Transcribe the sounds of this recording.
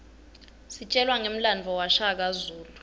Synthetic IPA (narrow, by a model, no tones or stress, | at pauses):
sit͡ʃʼɛlwaŋem̩land͡vʱɔwaʃak̬azuːlu